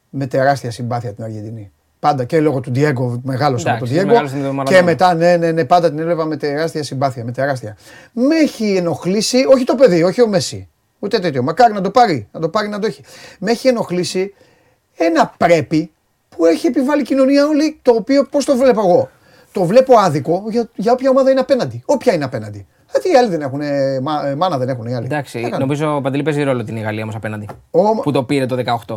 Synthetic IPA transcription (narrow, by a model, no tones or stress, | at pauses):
me̞t̪e̞ɾɐst̪iɐsimbɐθiɐt̪inɐɾʝend̪ini | pɐnd̪ɐcelo̞ɣot̪ud̪ieɡome̞ɣɐlosot̪od̪ieoeme̞t̪ɐne̞nene̞pɐnd̪ɐt̪inelevɐme̞t̪eɾɐst̪iɐsimbɐθiɐme̞t̪e̞ɾɐst̪iɐ | me̞çieno̞xlisio̞çit̪o̞pe̞ðio̞çio̞mesḭ | ut̪et̪et̪ço̞mɐkɐɾinɐd̪o̞pɐɾinɐt̪o̞pɐɾinɐd̪oeçi̥me̞çie̞no̞xlisi | e̞nɐpɾe̞pi | pue̞çie̞pivɐlicino̞niɐo̞lit̪o̞ːpio̞po̞st̪o̞vle̞poeɣo̞ | t̪o̞vle̞po̞ɐðiko̞ʝɐʝɐo̞pçɐo̞mɐðɐineɐpe̞nɐnd̪io̞pçɐineɐpe̞nɐnd̪i | ɐt̪iiɐliðene̞xunemɐmɐnɐðe̞ne̞xuniɐlid̪ɐksiekɐnomizopɐnd̪elipeziɾo̞lot̪iniɣɐliɐomosɐpenɐnd̪iomput̪o̞piɾet̪oðekɐoxt̪o̞